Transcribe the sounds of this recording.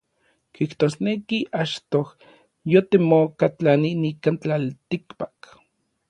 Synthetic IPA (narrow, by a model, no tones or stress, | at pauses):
kiht̪oːsnekiʔat͡ʃt̪oh | jot̪emokat͡ɬaninikant͡ɬalt̪ikpḁk